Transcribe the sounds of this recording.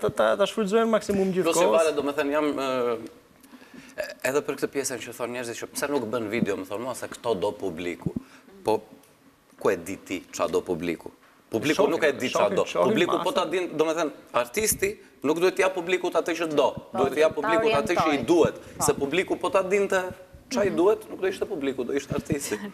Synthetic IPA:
t̪at̪aʃfulzɔɛnmaksimumiɔsivalɛd̪ɔmɛθɛnjam | ɛðɛpəɾk̚t̪əpjɛsɛnt͡ʃəθɔnɲɛɾzit̪t͡ʃəsɛnukbənvid̪ɛɔmɛθɔnmasɛkt̪ɔd̪ɔpublḭkupɔ | kuɛd̪it̪it͡ʃa̰d̪ɔpublḭkṵ | publikunukɛd̪it͡ʃad̪ɔpublikupɔt̪ad̪ind̪ɔmɛθɛnaɾt̪ist̪i | nuk̚d̪uhɛt̪ːəjapublikut̪at̪əʃət̪d̪ɔd̪uɛt̪ːəjapublikkut̪at̪əʃid̪uhɛt̪sɛpublikupɔt̪ad̪int̪ɛt͡ʃaid̪uɛt̪nuk̚d̪uiʃt̪ɛpublikud̪ɔiʃt̪ɛaɾt̪ist̪i

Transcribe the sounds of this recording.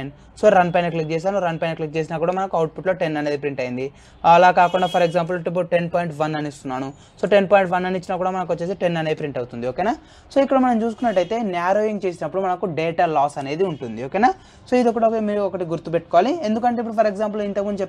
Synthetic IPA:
ɳ | so̞ːɾɐnpaːnklik̚t͡ʃeːs̬aːnuɾɐnpaːnklik̚t͡ʃeːs̬inaːkuːɽaːmɐnɐkuɐwʈ̚pʰuʈlo̞ːʈe̞nːɐne̞ːd̪ipɾiɳʈɐjind̪i | ɐlaːkaːkuɳɖaːpʰɐɾeɡzaːmp̬ulʈip̬ːɐʈe̞npaːjɳʈʋɐnɐnist̪unːaːnu | so̞ːʈe̞npaːjɳʈʋɐnːɐnit͡ʃːinaːkuːɽaːmɐnɐk̬ʋot͡ʃːeːseʈenːɐnedipɾiɳʈɐwut̪und̪ioːkeːnaː | so̞ːikːɐɽɐmɐnɐmt͡ʃuːsukunːɐʈːɐjt̪e̞ːnaːɾoːjiŋt͡ʃe̞ːsinɐpːuɽumɐnɐkuɖeːʈaːlaːsɐne̞ːd̪iuɳʈund̪ioːkeːnaː | so̞ːid̪okːɐʈɐɔkemiːɾuɔkɐʈiɡuɾt̪ːupe̞ʈːu̥kɔʋaːlie̞nd̪ukɐɳʈeip̬ːuɽupʰɐɾeɡzaːmp̬lint̪ɐkmund̪ut͡ʃe

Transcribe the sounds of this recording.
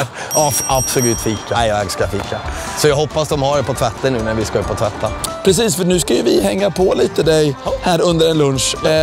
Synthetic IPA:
ab̥sɔlʉ̟ːt̪fiːkːɛjɛɡskajafiːkːa | sɔjɑːɦɔpːasd̪ɔmhaɖɛpʰɔt̪ʰvɛt̪ːənʉ̟ːnæɾvɪskaɪpʰɔt̪ʰvɛt̪ʰːapʰɾɛs̬iːsfœɳʉ̟ːskajɵvɪhɛŋːapʰɔliːt̪əd̪ɛjhæːɾɵnd̪əɾɛnlɵnʂ

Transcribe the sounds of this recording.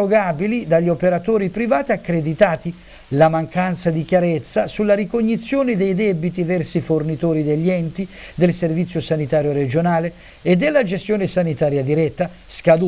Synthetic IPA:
oɡabilid̪aʎːopeɾat̪oːɾipɾivaːt̪iakːɾed̪it̪aːt̪i | lamaŋkant̪sad̪ik̟jaɾet̪sːasulːaɾikoɲːit̪sːjoːnɪd̪ɛjd̪ɛbit̪ivɛrsifornit̪ɔːɾid̪eʎːiɛnt̪id̪elservit̪sːjosanit̪aːɾjoɾed͡ʒonaːle | ed̪ːelːad͡ʒest̪jɔːnɪsanit̪aːɾjad̪iɾɛt̪ːa | skad̪u

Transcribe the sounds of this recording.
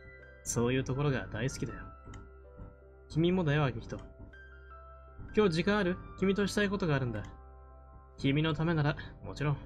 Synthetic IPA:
so̞ːjɯ̟ːt̪o̞ko̞ɾo̞ɡa̰d̪aisɨ̥kʲid̪ajo | kʲimʲimo̞d̪ajoβaɡʲikʲi̥t̪o̞ | kʲo̞ːʑikãɰ̃aɾɯ̟kʲimʲit̪o̞ɕi̥t̪aiko̞t̪o̞ɡaːɾɯ̟̃nd̪a | kʲimʲino̞t̪ame̞naɾamo̞t͡ɕiɾõ̞ŋ

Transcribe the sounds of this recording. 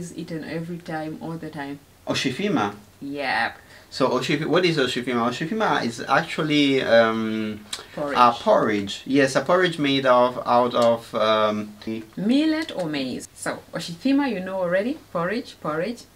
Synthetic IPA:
zḭtɨ̃nɛvɹitʰãɪ̃mɔlˠðɨtʰãɪ̃m | ʔɔʃifima | jɛp | soʊʔoʃifwɔɾɪzoʃifimaoʃifimaɪ̰za̰k̚t͡ʃuəliʌmpɔɹəpʰɔɹɪd͡ʒjɛsəpʰɔɹɪd͡ʒmeɪdɔva̰ʊɾɔvʌmmilɛtɔmeɪzsoʊɔʃifimajunoʊɔl̩ˠɹɛɾipʰɔɹɪd͡ʒpʰɔɹɪ̥d͡ʒ

